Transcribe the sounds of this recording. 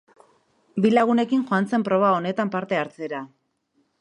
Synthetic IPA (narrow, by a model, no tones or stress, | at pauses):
bilaɣ̞une̞kiŋxoant͡se̞mpɾo̞β̞ao̞ne̞t̪ampaɾt̪e̞aɾt͡se̞ɾa